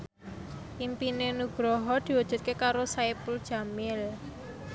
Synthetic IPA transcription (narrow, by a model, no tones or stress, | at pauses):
impinenuɡ̥ɾɔɦɔd̪̥i̤wad̥ʒ̥ṳt̪̚kekaɾosaepʊld̥ʒ̥a̤mɪl